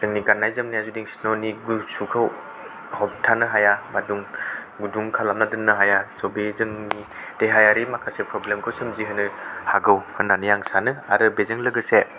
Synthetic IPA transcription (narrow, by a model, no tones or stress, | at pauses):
z̥ɯŋniɡanːajzɯmnijazudiŋsinoniɡusukʰaw | hɔp̚tʰanɯɦajamaduŋ | ɡuduŋkʰalamnadɯnːɯɦajasobezɯŋnid̥eɦajaɾimakʰasepɾɔblemkʰɯwsemziɦɯnɯhaɡɯwhɯnːanijaŋsanɯa̰ɾɯbezɯŋlɯɡɯse